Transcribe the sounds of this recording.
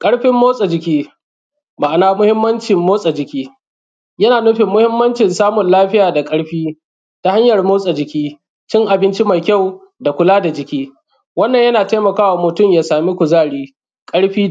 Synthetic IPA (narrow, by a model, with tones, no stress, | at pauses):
kʼɐ˦ɽɸɪ˦mːoː˦sʼa˨d͡ʒɪ˨kʲiː˦ | ba˨ʔa˨naː˦mʊ˦hɪ˦mːɐ˦nt͡ʃɪ˨mːoː˦sʼa˨d͡ʒɪ˨kʲiː˦ | jɐ˦naː˨nʊ˦ɸɪ˨mːʊ˦hɪ˦mːɐ˦nt͡ʃɪ˨nsaː˦mʊ˨nlaː˦ɸɪ˦jaː˨da˨kʼɐ˦ɽɸiː˦ | ta˦ha˦ɲjɐ˨rmoː˦sʼa˨d͡ʒɪ˨kʲiː˦ | t͡ʃɪ˦ŋʔa˨bɪ˦nt͡ʃi˦ma˨jkʲa˦˨w | da˨kʷʊ˨laː˦da˨d͡ʒɪ˨kʲiː˦ | wɐ˦nːɐ˨ɲjɐ˦naː˨taː˦mɐ˨kaː˦wa˨mʊ˨tʊ˦mjaː˨saː˨mi˦kʷʊ˨zaː˦˨ɽiː˦ | kʼɐ˦ɽɸiː˦